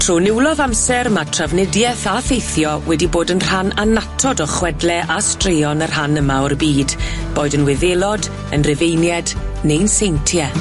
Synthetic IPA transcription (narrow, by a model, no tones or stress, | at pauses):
tʰr̥uːnɪwlˠɔðamsɛrmatʰr̥avnɪdjɛθaθejθjɔwɛdiboːdənr̥ananatʰɔdɔχwɛdlˠɛʔastrɪjɔnər̥hanəmaɔrbiːdb̥oːɨdənwɪðelˠɔd | ə̰nrɪvejnjɛdnejnsejntʰjɛ